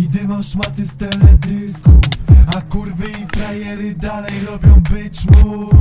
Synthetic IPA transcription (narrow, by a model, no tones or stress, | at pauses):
d̪ɪmamʃmat̪ɪst̪ɛlɛd̪ɪskufakuɾvɘifɾajɛɾɪd̪alɛjɾɔbʲjɔ̃w̃bɘt͡ɕmu